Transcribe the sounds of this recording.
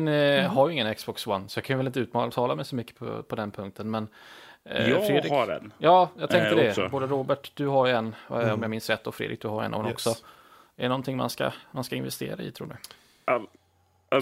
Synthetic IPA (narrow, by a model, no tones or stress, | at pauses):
nhaɾjɪŋːənɛksbɔkswanːsɔjɑkʰanjʏvɛlɪnt̪əʉ̟ːt̪mɑt̪ʰɑːlamɛjsɔmʏkːə̥pʰɔ̰pʰɔd̪ɛnpʰɵŋk̚t̪ʰənmɛn | fɾeːd̪ɾɪɛ̰njɑːjɑt̪ʰɛŋk̪əədɛboːd̪əɾoːbæʈd̪ɵɦajɛnːɔmjɑamɪnsɾɛt̪ːɔfɾḛd̪ɾɪk̚d̪ɵhaɾɛ̰nʔɔ̰mnɔksɔ | ɛɾnɔnt̪ʰɪŋːma̰nska̰manskaɪnvɛst̪ḛːɾaɪ̰t̪ʰɾṵːɖɵ̰